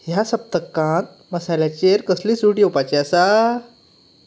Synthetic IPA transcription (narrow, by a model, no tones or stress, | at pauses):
jasəp̚t̪əkːãnt̪̚ | məsalat͡ɕeɾkəsliːsuʈiopat͡ɕeasa